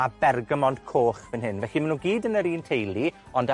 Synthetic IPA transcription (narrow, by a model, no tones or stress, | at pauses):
abɛrɡəmɔn̥kʰoːχvɪnɦɪnvɛɬimanuːɡiːdənəɾiːntʰejlˠi | ɔnd